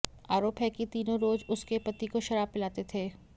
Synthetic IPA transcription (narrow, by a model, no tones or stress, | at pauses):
aːɾoːpɦɛkit̪iːnõɾoːzʊskepɐt̪ikoʃɐɾaːb̚pɪlaːt̪et̪ʰeː